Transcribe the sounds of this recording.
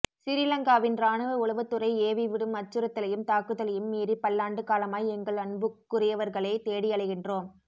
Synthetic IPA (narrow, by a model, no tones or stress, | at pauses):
sɪɾɪlɐŋɡaːʋɪnɾaːnɯʋɐʊɭɐʋɯt̪ːɯɾɐɪeːʋiʋɪɽɯmɐt͡ʃːɯɾɐt̪ːɐlɐjɯmt̪aːkɯðɐlɐjɯmːiːɾipɐlːaːɳɖɯkaːlɐmaːjɛŋɡɐɭɐɳbɯkːʊrɪjɐʋɐɾɣɐɭɐɪt̪eːɽɪjɐɭɐɪɣɪndroːm